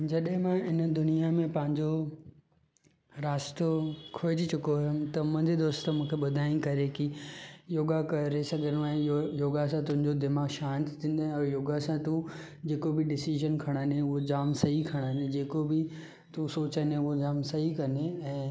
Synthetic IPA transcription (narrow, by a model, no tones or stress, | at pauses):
d͡ʑɐɗɦɪ̃mãɪnd̪ʊnijamẽpɐ̃ɦɪ̃ɲd͡ʑo | ɾaːst̪okʰoːet̪ʰit͡ɕʊkoɦʊmt̪ɐmɐ̃nd̪ʱid̪oːst̪mũːkʰeɓɐd̪ʱaːĩkɐɾekijoːɡakɐɾesɐɡʱənũẽjoːɡasãt̪ʊ̃ɦɪ̃ɲd͡ʑod̪ɪmaːɡʃaːnt̪t̪ʰĩːn̆d̪ãːɔːɾjoːɡasãt̪u | d͡ʑeːkobɪɖɪsiʒənkʰɐɽ̃aneʊɦod͡ʑaːmsɐɦikʰɐɽ̃əned͡ʑeːkobɪ | t̪usoːt͡ɕənẽʊɦod͡ʑaːmsɐɦikɐneɛ̃ː